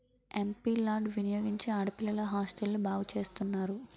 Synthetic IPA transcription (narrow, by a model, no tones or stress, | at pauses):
e̞mpiːlaːɖʋinɐjoːɡiɲt͡ʃiɐɽɐpilɐlɐɦaːsʈelnubaːɡut͡ʃe̞ːst̪unːaːɾu